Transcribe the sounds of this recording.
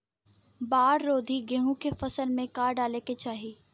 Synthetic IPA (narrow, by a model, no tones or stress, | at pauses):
baːɾːoːd̪ʱiɡẽːɦũkefɐsəlmẽkaːɾɖaːleket͡ʃaːɦiː